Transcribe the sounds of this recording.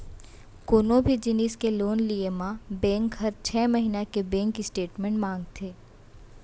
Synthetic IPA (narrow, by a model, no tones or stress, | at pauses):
koːnõbʱid͡ʒɪniːskeloːnliemãbɛ̃ːŋkɦɐɾt͡ʃʰɛːməɦinakebɛ̃ːŋkisʈeːʈmɛ̃ɳʈmãːŋɡt̪ʰeː